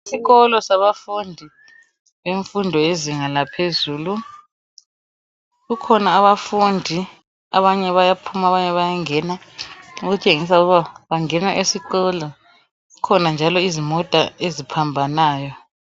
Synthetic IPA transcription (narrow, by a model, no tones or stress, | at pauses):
isiɣɔlɔsaβafundʱi | βeɱfundʱɔeziŋalapʰezuːlu | ɣukʰɔnaːβafundʱi | a̰βaɲɛβajapʰumaβaɲɛβajaŋɛna | uɣut͡ʃʼeŋis̬auɣuβaβaŋɛnaʔesiɣɔlɔ | ɣukʰɔnand͡ʒʱalɔizimɔtʼa̰ezipʰambʱanaːjɔ